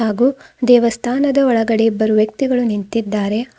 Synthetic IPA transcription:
aːɡuːd̪ɛːʋɐst̪ʰaːnɐd̪ɐɔɭɐɡɐɽebɐɾuʋjɐk̚t̪iɡɐɭunint̪id̪ːaːɾe̞

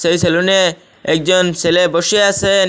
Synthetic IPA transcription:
sejselune | ek̚d͡ʒɔnseleboʃiase

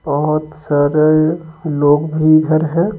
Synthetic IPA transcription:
b̥əɦʊt̪saːɾeloːɡbʱiɡʱəɾɦɛ

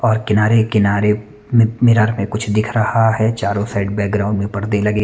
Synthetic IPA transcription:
ɔːɾkɪnaːɾekɪnaːɾe | mmɪɾaːɾmẽkʊt͡ʃʰd̪ɪkʰɾɐhaɦɛt͡ʃaːɾõsaːɪʈbɛːk̚ɡɾãːʊ̃ɳɖmẽpɐɾd̪elɐɡeː

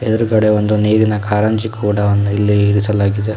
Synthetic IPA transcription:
ɛd̪ɐɾukɐɽe̞ʋond̪uniːɾinɐkaːɾɐɲt͡ʃikʰuːɽɐɐnːuilːiiɾisɐlaːɡid̪e

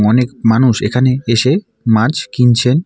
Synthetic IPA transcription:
ŋɔnekmanuʃekʰaneeʃe | mat͡ɕkint͡ɕʰen

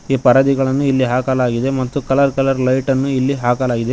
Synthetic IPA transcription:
iːpɐɾɐd̪iɡɐɭɐnːuilːiɦaːkɐlaːɡid̪e̞mɐt̪ːukɐlɐɾkɐlɐɾlɐjʈɐnːuilːiɦaːkɐlaːɡid̪e

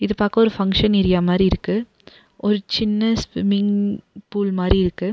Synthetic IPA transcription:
ɪðɯpaːkɐɔɾɯfɐŋkʂɐnɪɾɪjaːmaːd̪ɾiɪɾɯkːɯ | ʔɔɾɯt͡ʃɪnːɐspɪmɪŋpuːlmaːd̪ɾiɪɾɯkːɯ

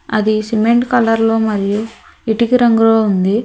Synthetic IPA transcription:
ɐd̪isimeɳʈkɐlɐɾlo̞ːmɐɾiju | iʈikiɾɐŋɡuloːund̪i

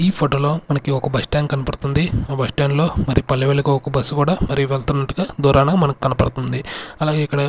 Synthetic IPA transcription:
iːpʰoːʈoːlo̞ːmɐnɐkiɔkɐbɐsʈaːnkɐnɐpɐɽt̪und̪iaːbɐsʈaːnlo̞ːmɐɾipɐlːɐʋelɐkɐɔkɐbɐsːukuːɽaːmɐɾiʋelt̪unːɐʈːuɡaːd̪uːɾaːnɐɡmɐnɐki̥kɐnɐpɐ̰ɽut̪und̪iɐlaːɡe̞ːikːɐɽɐ

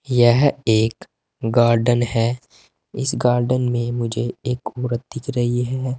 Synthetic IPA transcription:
jɛɦeːk | ɡaːɾɖənɦɛː | ɪsɡaːɾɖənmẽmʊd͡ʒʱeeːkuːɾət̪̚d̪ɪkʰɾɐɦiɦɛː

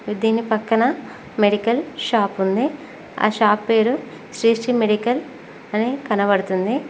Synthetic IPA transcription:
id̪iːnipɐkːɐnɐ | meɽikɐlʃaːpund̪i | a̰ːʃaːpːe̞ːɾu | sɾiːsʈimeɽikɐl | ɐnekɐnɐʋɐɽut̪und̪i

